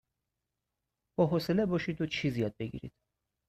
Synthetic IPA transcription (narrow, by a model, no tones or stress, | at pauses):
b̥ɒːɦoselebɒːʃid̪ot͡ʃʰizijɒd̪̚beɡḭɾḭd̪̥